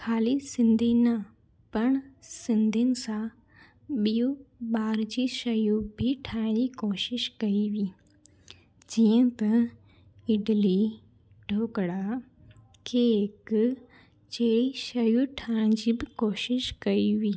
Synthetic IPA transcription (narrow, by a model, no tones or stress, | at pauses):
kʰaːlisɪ̃nd̪ʱinɐ | pɐɳ̃sɪnd̪ʱinɪ̆sã | ɓijuɓaːɾd͡ʑiʃɐjubʱiʈʰãːd͡ʒikoːʃɪʃkɐiʋiː | d͡ʒijə̃t̪ɐ | ɪɖli | ɖʱoːkɽa | kʰek | t͡ʃeːɽiʃɐjuʈʰãːd͡ʑiːbʱikoːʃɪʃkɐiʋiː